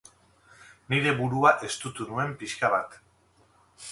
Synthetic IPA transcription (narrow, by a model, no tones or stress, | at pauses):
niɾe̞βuɾuaʔe̞st̪ut̪unue̞mpiʃkaβat̪